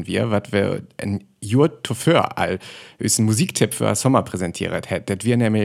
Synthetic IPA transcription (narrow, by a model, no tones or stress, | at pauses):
nvḭːɐvatvə̰ʔə̰n | juːɐttʰːoføːɐa̰lʔy̰sn̩muziːktʰɪpfy̰a̰sɔmɐpʁ̥ezɛntʰḭːəʁə̰thɛt̚d̥ɛtv̥iːɐnɛːmə